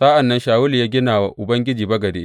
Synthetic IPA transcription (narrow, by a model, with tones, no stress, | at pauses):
sa˦ʔa˨nːɐ˦nʃaː˨wʊ˦ljaː˦ɡʲɪ˦naː˨wa˨ʔʔʊ˨bɐ˦ŋɡʲɪ˦d͡ʒiː˨bɐ˦ɡɐ˨deː˦